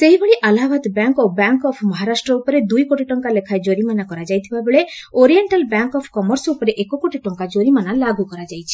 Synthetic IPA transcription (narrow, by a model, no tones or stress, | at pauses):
seɦibeɭiʔalabad̪bjaŋkobjaŋkɔpʰmɔɦaɾasʈɾɔupɔɾed̪ujkoʈiʈɔŋkalekʰaed͡ʒoɾimanakɔɾad͡ʒajt̪ʰibabeɭeoɾieɳʈalbjaŋkɔpʰkɔmɔɾsɔupɔɾeʔekɔkoʈiʈɔŋkad͡ʒoɾimanalaɡukɔɾad͡ʒajt͡ʃʰi̥